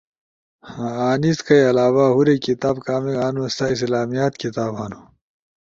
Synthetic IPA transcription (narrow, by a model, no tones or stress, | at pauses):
haaːniskɐjɐlaːwaːɦuɾekit̪aːbkaːmiaːnust̪ais̬laːmijaːt̪kit̪aːbɦanu